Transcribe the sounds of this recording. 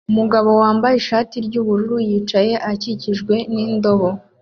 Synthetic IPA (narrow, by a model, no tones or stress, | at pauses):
umuɡaβo̞waːmbajiʃaːtiɾɟuːβuɾuɾujiːt͡ʃaje̞ʔaciciʒɡwe̞nindo̞βo̞